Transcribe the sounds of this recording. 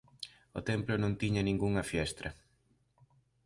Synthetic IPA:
o̰t̪ɛmplʊnõnt̪iɲɐnĩŋɡuŋɐfjɛst̪ɾɐ

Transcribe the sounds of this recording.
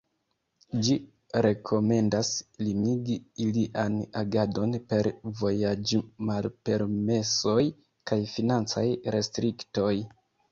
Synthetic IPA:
d͡ʒi | ɾe̞kʰo̞me̞ndaslimiɡiːliʔanaɡado̞npe̞ɾvo̞jad͡ʒmalpe̞ɾme̞so̞j | kajfinant͡sajɾe̞stɾikto̞j

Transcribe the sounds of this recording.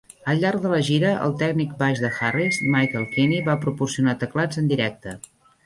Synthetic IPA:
əlˠʎːarɡðələʒiɾəʔə̰lˠt̪ɛɡnik̚baʒðəxarizmajkəlˠkiniβapɾupursiunat̪əklad͡zənd̪iɾɛk̚t̪ə

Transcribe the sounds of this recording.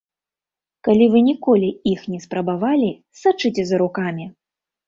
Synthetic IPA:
kalʲivɨnʲikɔlʲiixnʲɛspɾɐbavalʲi | sat͡ʂɨt͡sʲɛzɐɾukamʲi

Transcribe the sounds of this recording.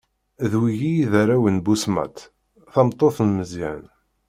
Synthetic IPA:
ðwijijiðæɾæwənbusmæ̰t̪ | θɑmt̪ˤːoθnməziʕən

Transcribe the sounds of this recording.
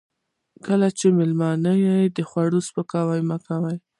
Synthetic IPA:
kəlat͡ʃemɪlmɑnəjajd̪əxwaɽospəkɑwajmakawaj

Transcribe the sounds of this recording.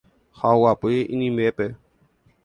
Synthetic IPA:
xaʊapʊeʔinimɛpɛ

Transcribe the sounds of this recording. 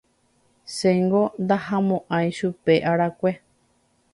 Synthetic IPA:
seŋɡond̪ahamõʔãĩʃupe̞ʔaɾakʷe

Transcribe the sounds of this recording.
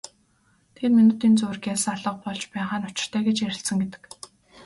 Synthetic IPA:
t̪ʰet̪minuːt̪iːnt͡sɵw̆rɡʲæsaɮə̆q̚pɔɮt͡ɕpæːʁaːnʊt͡ɕɪ̥̆r̥t̪ʰæːɡet͡ɕjæɾʲɪ̆ɬsə̆ŋɡet̪ɘ̥̆k

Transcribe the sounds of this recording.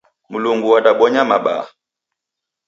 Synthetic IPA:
muluŋɡuwaɗaɓɔɲamaɓa̰

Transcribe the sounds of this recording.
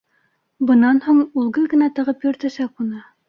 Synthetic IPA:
bɤ̆nɑnhuɴulˠɡɤlɡɘ̆næt̪ɤ̆ʁɤpjɵ̆ɾt̪æʃækunɤ

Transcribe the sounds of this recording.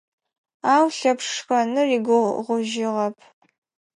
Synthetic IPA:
aːwɬɐpʂxɐnɨriɡʷʊʁʷʊʒɪʁɐpʰ

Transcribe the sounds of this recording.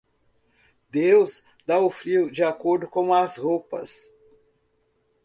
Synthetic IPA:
d̪ewz | d̪aʊfɾiwʊd͡ʒɪakoɾd̪ʊkõw̃ɐzhopɐs

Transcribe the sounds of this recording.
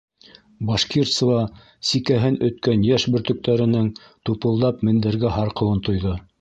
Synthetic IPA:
bɑʃkirt̪svɑ | sikæɦɘnɵ̆t̪̚kænjæʃbɵ̆ɾt̪ɵ̆k̚t̪æɾɘ̆nɘŋ | t̪upɤ̆lˠd̪ɑpmɘ̆nd̪ɘ̆ɾɡæɦɑɾqɤ̆wɤnt̪ŏjðɤ

